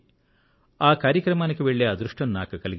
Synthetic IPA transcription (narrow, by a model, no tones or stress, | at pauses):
aːkaːɾjɐkɾɐmaːnɐkːeʋeɭːead̪ɾuʂʈɐnunaːkukɐliɡ